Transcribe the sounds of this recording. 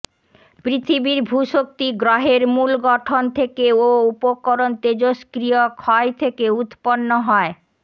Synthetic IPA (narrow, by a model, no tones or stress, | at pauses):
pɾit̪ʰibiɾbʱuʃok̚t̪iɡɾaɦeɾmulɡɔʈʰont̪ʰekeoupokoɾont̪ed͡ʑoskɾiokʰɔet̪ʰekeut̪ponːoɦɔe